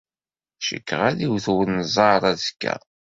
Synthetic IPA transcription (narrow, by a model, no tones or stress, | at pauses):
ʃə̰kːʁæðiwθwənːzˤɑɾˤæzkːæ̰